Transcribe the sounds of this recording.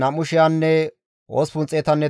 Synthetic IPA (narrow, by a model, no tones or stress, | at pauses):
nɐmʊʃɪjanːɛ | oːspʊnt͡sʼːeːt̪ɐnːɛ